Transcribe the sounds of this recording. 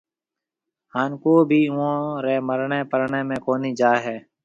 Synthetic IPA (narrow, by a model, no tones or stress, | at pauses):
haːnkoːbʱiːʊõːɾeːməɾɳẽːpəɾɳẽːmẽːkoːniːd͡ʒaːɦɛː